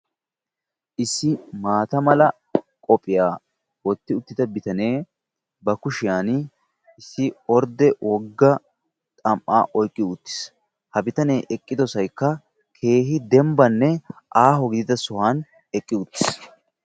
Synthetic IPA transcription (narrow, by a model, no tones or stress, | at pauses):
ʔɪsːɪmaːt̪ɐmɐlɐ | kʼɔpʼɪjaː | wɔt̪ːɪʊt̪ːɪd̪ɐbɪt̪ɐne̞ː | bɐkʊʃɪjaːn | ɪsːɪɔɾd̪ɛwɔɡːɐ | t̪ʼɐmʔːa̰ːʔɔjkʼːɪʊt̪ːɪ̥s | hɐbɪt̪ɐne̞ːʔɛkʼːɪd̪ɔsɐjkːɐ | kʰe̞ːɦɪd̪ɛmbɐnːɛʔaːɦɔɡɪd̪ɪd̪ɐsɔhaːn | ɛkʼːɪʊt̪ːɪ̥s